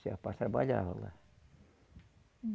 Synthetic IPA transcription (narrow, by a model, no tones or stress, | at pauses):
siɑpɑsɑʋɑjɑho̰lːɑ̰